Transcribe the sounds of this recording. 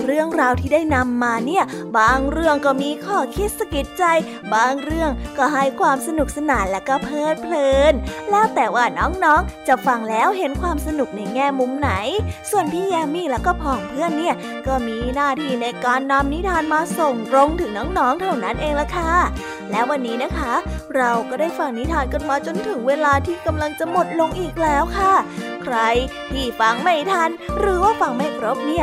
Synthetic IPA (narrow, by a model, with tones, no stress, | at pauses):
ɾɯ˥˩əŋɾaː˧wt̪ʰiː˥˩daː˥˩jna˧mːaː˧ni˥˩əbaː˧ŋɾɯ˥˩əŋkɔː˥˩miː˧kʰɔː˥˩kʰi˦˥t̪̚sa˧ki˨˩t̪̚t͡ɕa˧j | baː˧ŋɾɯ˥˩əŋkɔː˥˩ɦa˥˩jkʰwaː˧msa˧nu˨˩k̚sa˧naː˨˩˦nlɛː˦˥wkɔː˥˩pʰɤː˥˩t̪̚pʰlɤː˧nlɛː˦˥wt̪ɛː˨˩waː˥˩nɔː˦˥ŋnɔː˦˥ŋt͡ɕa˨˩fa˧ŋlɛː˦˥wɦe˨˦nkʰwaː˧msa˧nu˨˩k̚na˧˩jŋɛː˥˩mu˧mna˩˦jsu˨˩ənp̪ʰiː˥˩jɛː˧miː˥˩lɛː˦˥wkɔː˥˩pʰɔː˨˩ŋpʰɯ˥˩ənːi˥˩ə | kɔː˥˩miː˧naː˥˩t̪ʰiː˧na˧jkaː˧nːa˧mni˦˥t̪ʰaː˧nmaː˧so˨˩ŋɾo˧ŋt̪ʰɯː˨˩˦ŋnɔː˦˥ŋnɔː˦˥ŋt̪ʰa˥˩wna˦˥nʔeː˧ŋla˧˥kʰa˥˩ | lɛː˦˥wa˧nːiː˦˥na˦˥kʰa˦˥ɾa˧wkɔː˥˩daː˥˩jfa˧˩ŋni˦˥t̪ʰaː˧nka˧˩nmaː˧t͡ɕo˧nt̪ʰɯ˨˩˦ŋweː˧laː˧t̪ʰiː˥˩ka˧mla˧ŋt͡ɕa˨˩mo˨˩t̪̚lo˧ŋʔiː˨˩k̚lɛː˦˥wkʰa˥˩kʰɾa˧j | t̪ʰiː˥˩fa˧ŋma˥˩jt̪ʰa˧nɾɯː˩˦waː˥˩fa˧ŋma˥˩jkʰɾo˦˥p̚ni˦˥˩ə